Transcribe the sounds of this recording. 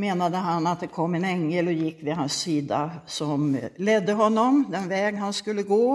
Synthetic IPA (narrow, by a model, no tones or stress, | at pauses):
meːnad̪əɦanːat̪̚d̪ɛkʰɔmːɛnɛŋːəlɔjɪkːvɪɦansːiːd̪asɔmlɛd̪ːəɦɔnːɔmd̪ɛnvɛːɡɦanskɵlːəɡoː